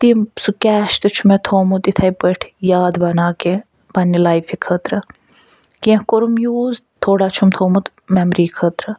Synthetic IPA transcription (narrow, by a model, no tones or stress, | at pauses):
t̪imsukʲɛːʃt̪ɨt͡ʃʰumet̪ʰoːmut̪it̪ʰɐjbəʈʰjaːd̪bɐnaːke | b̥ɐnːilaːjfikʰət̪ɾɨ | kiẽhkoɾumjuːzt̪ʰːoːɽaːt͡ʃʰumt̪ʰoːmut̪ | mɛmɾiːkʰət̪ɾɨ